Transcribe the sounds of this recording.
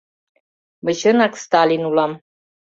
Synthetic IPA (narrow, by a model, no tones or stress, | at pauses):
məʃənɑkst̪alʲinulɑm